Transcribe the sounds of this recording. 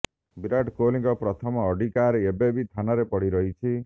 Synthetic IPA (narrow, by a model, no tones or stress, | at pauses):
biɾaʈkoliŋɡɔpɾɔt̪ʰɔmɔːɖikaɾeebebit̪ʰanaɾepɔɽiɾɔɦit͡ʃʰi